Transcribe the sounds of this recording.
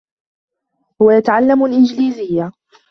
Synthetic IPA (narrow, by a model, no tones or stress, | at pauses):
hʊwajat̪aʕalːamalʔɪnd͡ʒliːzɪjːa